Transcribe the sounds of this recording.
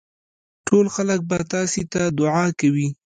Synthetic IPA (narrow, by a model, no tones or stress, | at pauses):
ʈʰolxalək̚bat̪ɑset̪ad̪ʊʕɑkawi